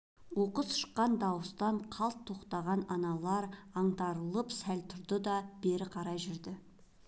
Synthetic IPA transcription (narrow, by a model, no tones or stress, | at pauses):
wo̞qəzʃə̥qːɑnd̪ɑwəst̪ɑɴqʰɑlˠt̪ʰːo̞qt̪ɑʁɑnɑnɑlˠɑɾɑɴd̪ɑɾəlˠəpsælt̪ʰʊɾd̪əd̪ɑb̥e̞ɾɪqʰɑɾɑjʒʏɾd̪ɪ